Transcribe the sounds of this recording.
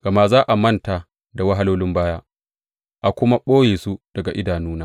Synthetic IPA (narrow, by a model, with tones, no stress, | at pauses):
ɡ̥ɐ˨ma˦zaː˦ʔa˨mɐ˦nta˨ | da˨wɐ˦ɦa˦loː˦lɪ˦mbaː˦jaː˦ | ʔa˨kʷʊ˦ma˦ɓoː˦jeː˨su˦d̥ɐ˨ɡa˨ʔɪ˦daː˨nuː˦naː˦